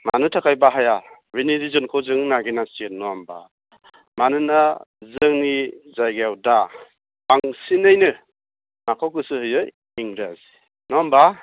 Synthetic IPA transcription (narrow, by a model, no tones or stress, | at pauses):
manɯtʰakʰajbaɦaja | ɾinidizunkʰɔwzɯŋnaɡinastet̚nɔamba̰ | manɯnazɯŋnizajɡawda | aŋsinɯjnɯ | makʰawkɯsɯhɯjɯj | iŋɾazi | nɔamba